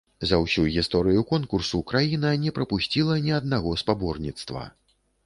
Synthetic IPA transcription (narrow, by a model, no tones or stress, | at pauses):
zɐwsʲujɣʲist̪ɔɾɨjukɔnkursukɾajinɐnʲɛpɾɐpusʲt͡sʲilˠɐnʲiɐd̪naɣɔspabɔrnʲit̪st̪vɐ̰